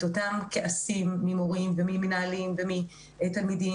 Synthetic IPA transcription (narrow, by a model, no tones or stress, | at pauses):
totamkeʔasimːimoʁimvemiminaalimvemi | etalmidi